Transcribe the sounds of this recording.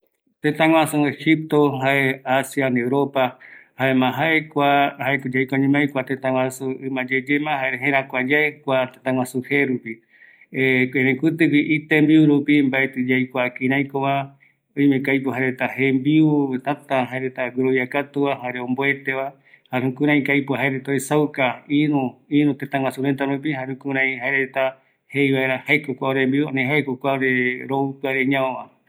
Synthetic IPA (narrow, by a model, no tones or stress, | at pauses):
t̪ẽt̪ãŋwãsuehip̚t̪oɦaeasjanewɾopahaemãɦaekʷahaekd͡ʒajkʷaɲũmajkʷat̪ẽt̪ãŋw̃ʷãsuɨmãd͡ʒed͡ʒemãhaeɾeɦẽɾãkʷad͡ʒaekʷat̪ẽt̪ãŋw̃ãsuheɾupi | eɾẽkɨt̪ɨkiʔit̪embiuɾupimbaet̪ɨd͡ʒajkʷakĩɾ̃ãjkoβa | ojmẽkajpoɦaɾet̪ahembiut̪at̪aɦaeɾet̪aɡuɾoβjiakat̪uβaɦaɾeõmboe̞t̪eβa | haɾũkũɾãj̃kajpoaɦaeɾet̪aesawkaiɾũiɾũt̪et̪aŋw̃ãsuɾẽnt̪aɾup̬ihaɾũkuɾãĩhaeɾet̪a | hejβaeɾahaekokʷaoɾembiuanẽɦaekokʷaoɾeɾoupɨaɾeɲãoβa